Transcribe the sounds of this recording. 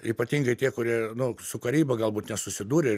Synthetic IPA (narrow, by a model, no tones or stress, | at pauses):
iːpɐt̪ʲiːŋɡɐɪt̪ʲiɛkʊɾʲiɛnʊsʊkɐɾʲiːbɐɡɐlˠbuːt̪nʲɛsʊsʲɪd̪uːɾʲɪ